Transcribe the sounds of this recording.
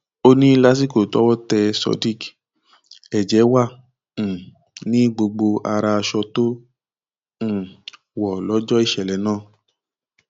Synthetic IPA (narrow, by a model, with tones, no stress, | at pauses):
o˦nĩ˦la˦s̬i˦˨ko˨tɔ̰˦wɔ˦tɛ˧sɔ̰˧di˦k | ɛ˨d͡ʒɛ˨˦wã˦˨ | nĩ˦ɡ͡bo˧ɡ͡bo˧a˧ɾa˧a˧ʃɔ˧to˦˨ | wɔ˨lɔ˨˦d͡ʒɔ˦i˦˨ʃɛ˨lɛ˨˦nãː˦˨